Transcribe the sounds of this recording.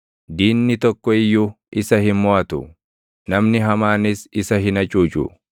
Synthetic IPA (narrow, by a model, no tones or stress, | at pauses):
d̪iːnːɪt̪ɔkːɔɪjːuː | ʔɪsɐhɪnmɔɐt̪ʊ̰ | nɐmnɪɦɐmaːnɪsɪsɐɦɪnɐt͡ʃʼuːt͡ʃʼṵ